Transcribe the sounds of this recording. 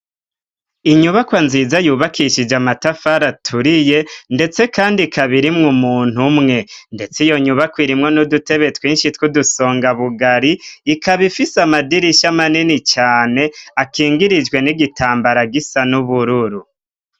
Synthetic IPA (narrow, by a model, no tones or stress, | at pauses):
iɲuβakwanziːzajuːβakʰiʃid͡ʒamatafaɾatʰuɾije̞nde̞t͡se̞kaːndikʰaβiɾimŋumuːn̥humŋe̞nde̞t͡sijo̞ɲuβakwiːɾimŋo̞nudute̞βe̞twiːnʃitkuduso̞ːŋɡaβuɡaɾiːkʰaβifisamadiɾiʃamaninit͡ʃaːne̞akiːŋɡiɾid͡ʒɡwe̞niɡitʰaːmbaɾaɡisanuβuɾuɾu